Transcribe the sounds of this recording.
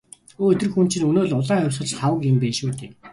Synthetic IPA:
oːɵt̪ɘ̆rxunt͡ɕĭnɵnoːɮʊɮaːŋʊwsə̆t͡ɕχawə̆kjɪmpeːʃuːt̪eː

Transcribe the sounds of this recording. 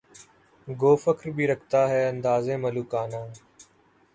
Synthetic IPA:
ɡoːfəkɾbiːɾəkʰt̪aːɦɛːə̃nd̪aːzẽːməluːkaːnaː

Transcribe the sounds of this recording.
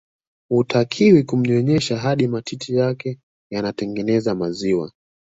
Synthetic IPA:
utakʰiwikum̩ɲɔɲɛʃaɦaɗimatʰitʰijakɛ | janatɛŋɡɛnɛzamaziwa̰

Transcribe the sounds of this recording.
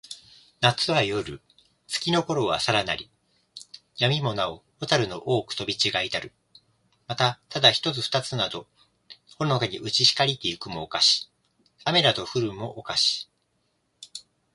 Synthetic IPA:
nat͡sɨβajoɾɯ̟̰ | t͡sɨ̥kʲino̞ko̞ɾo̞βa̰saɾana̰ɾʲi | jamʲimo̞nao | ot̪aɾɯ̟no̞ʔo̞ːkɯ̟̥t̪o̞bʲit͡ɕiɡait̪aɾɯ̟ | mat̪at̪ad̪açi̥t̪o̞t͡sɨɸɯ̥t̪at͡sɨnad̪o̞ | hoɾnokaɲ̟iʔɯ̟t͡ɕiɕi̥kaɾʲit̪e̞ɯkɯ̟mo̞ːkaɕi̥ | ame̞ɾat̪o̞ɸɯ̟ɾɯ̟mo̞ʔːkaɕi̥

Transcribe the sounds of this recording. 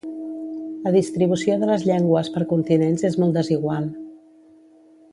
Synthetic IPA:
ləðist̪ɾiβusioðələzʎɛŋɡwəspəɾkunt̪inenzezmɔlˠt̪d̪əziɣwalˠ

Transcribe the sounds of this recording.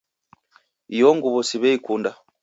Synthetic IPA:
ijɔŋɡuβɔsiβɛikunda

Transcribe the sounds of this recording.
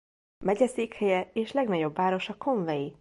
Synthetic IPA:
mɛɟɛseːkhɛjɛeːʃlɛɡnɒɟo̞bːaːɾo̞ʃɒkʰo̞ɱvɛji

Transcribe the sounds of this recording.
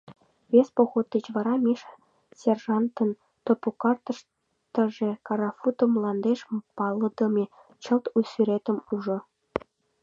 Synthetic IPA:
βʲespoxot̪̚d̪ə̆t͡ɕβɑɾɑmʲiʃ | sʲerʒɑnt̪ə̆n | t̪opokɑrt̪ə̆ʃ | t̪ə̆ʒĕkɑɾɑfut̪ə̆mlˠɑnd̪eʃpɑlˠːɤ̆d̪ɤ̆mʲe | t͡ɕə̆lt̪ujsyɾet̪ə̆muʒŏ

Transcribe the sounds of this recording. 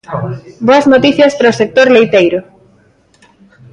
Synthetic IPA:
boɐznot̪iθjɐspɾaosek̚t̪oɾlejt̪ejɾʊ

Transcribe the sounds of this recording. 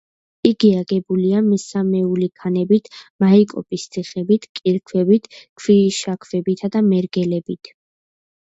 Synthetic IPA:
iɡiaɡɛbuliamisamɛulikʰanɛbit̪ʰmaikʼɔ̰pʼist̪sʰiχɛbit̪ʰkʼiɾkʰwɛbit̪ʰkʰwiʃakʰvɛbit̪ʰad̪amɛɾɡɛlɛbit̪ʰ

